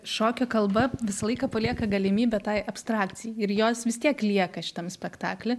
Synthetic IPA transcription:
ʃoːkʲoːkɐlˠbɐʋʲɪsɐlˠɐɪkɐpɐlʲiɛkɐɡɐlʲɪmʲiːbʲɛt̪ɑɪʔɐpst̪ɾɑːkt͡ssʲɪjɛɪɪɾjoːsʋʲɪst̪ʲiɛklʲiɛkɐʃʲɪ̥t̪ɐmsʲpʲɛkt̪ɑ̰ːklʲɪ

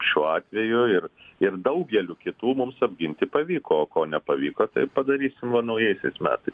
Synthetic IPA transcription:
ʃʲuːɑːt̪ʲʋʲɛjʊɪrɪrd̪ɐʊɡʲɛlʲukʲɪt̪uːmʊmsɐbʲɡʲɪnʲt̪ʲɪpɐʋʲiːkoːoːkoːnʲɛpɐʋʲiːkoːt̪ɐɪpɐd̪ɐɾʲiːsʲɪmʋɐnɐʊjɛɪsʲɛɪsmʲæ̰ːt̪ɐɪs

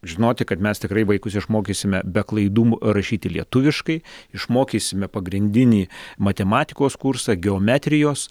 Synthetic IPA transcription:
ʒʲɪnoːt̪ʲɪkɐt̪mʲɛst̪ʲɪkɾɐɪʋɐɪkʊsɪʃmoːkʲeːsʲɪmʲɛbʲɛklˠɐɪd̪uːmɾɐʃʲiːt̪ʲɪlʲiɛt̪ʊʋʲɪʃkɐɪɪʃmoːkʲiːsʲɪmʲɛpɐɡɾʲɪnʲd̪ʲɪnʲiːmɐt̪ʲɛmɑːt̪ʲɪkoːskursɐɡʲɛoːmʲæːt̪ʲɾʲɪjoːs

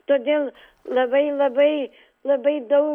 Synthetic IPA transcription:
t̪oːd̪ʲeːlˠ | lˠɐbɐɪlˠɐbɐɪ | lˠɐbɐɪd̪ɐʊ

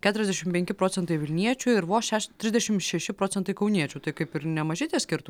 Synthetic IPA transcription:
kʲæːt̪ʊɾʲɛzd̪ʲɛʃʲɪmpʲɛŋʲkʲɪpɾoːt͡s̪sʲɛnt̪ɐɪʋʲɪlʲnʲiɛt͡ʃʲʊɪɾʋoːʃʲæːʃt̪ʲɾʲɪzd̪ʲɛʃʲɪmʃʲɛʃʲɪpɾoːsʲɛnt̪ɐɪkɐʊnʲiɛt͡ʃʲʊːt̪ɐɪkɐɪpɪɾnʲɛmɐʒʲɪt̪ʲiːsʲkʲɪɾt̪ʊ

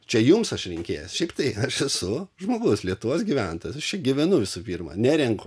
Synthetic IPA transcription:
t͡ʃʲɛjumsɐʃɾʲɪŋʲkʲeːjosʃʲɛɪp̚t̪ɐɪɐʃɛsʊʒmoːɡʊslʲiɛt̪uʋoːsɡʲiʋʲænt̪oːjɛsɐʃt͡ʃʲɛɡʲɪʋʲɛnʊʋʲɪsʊpʲiːrmɐ̰ːnʲæːɾʲɛŋk

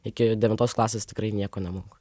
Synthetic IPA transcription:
ɪkʲɪd̪ʲɛʋʲɪnt̪oːsklˠɑːsʲeːst̪ʲɪkɾɐɪnʲiɛkoːnʲɛmʊŋko

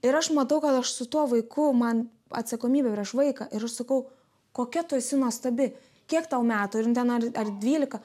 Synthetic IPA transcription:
ɪɾɐʃmɐt̪ɐʊkɐt̪ɐʃsʊt̪uɔʋɐɪkʊmɐn | ɐ̰t̪sɐkoːmʲiːbʲɛpʲɾʲiɛʃʋɐɪkɑʔɪɾɐʃsɐkɐʊ | koːkʲɛt̪ʊɛsʲɪnuɔst̪ɐbʲɪ | kʲiɛkt̪ɐʊmʲæːt̪oɪɾnt̪ʲɛnɐrɐrd̪ʲʋʲiːlʲɪkɐ

